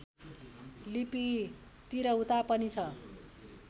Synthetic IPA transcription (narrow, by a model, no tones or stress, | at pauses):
lipi | t̪iɾʌɦut̪apʌnit͡sʰʌ